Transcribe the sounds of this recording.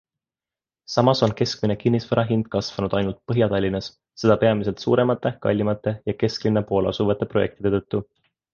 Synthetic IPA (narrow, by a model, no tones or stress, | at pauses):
sɑmɑso̞nke̞skmine̞kinːisvɤɾɑɦind̪̥̚kɑsvɑnud̪̥ɑjnult̪̚pɤɦjɑt̪ɑlʲːinɑs | se̞d̪ɑpe̞ɑmis̬e̞lt̪sṵːɾe̞mɑt̪ːˑe̞kɑ̰lʲːimɑt̪ːˑe̞jɑke̞sklinːepo̞ːlɑ̰suvɑt̪ːˑe̞pro̞je̞kt̪id̪e̞t̪ɤt̪ˑːu